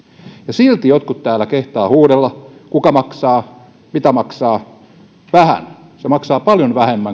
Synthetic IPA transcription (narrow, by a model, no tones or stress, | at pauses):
jɑsilt̪ijot̪kut̪t̪æːlːˑækeht̪ɑːhuːɾelːɑkukɑmɑksɑː | mit̪æmɑksɑː | ʋæhæ̰n | semɑksɑːpɑljonʋæhemːæŋ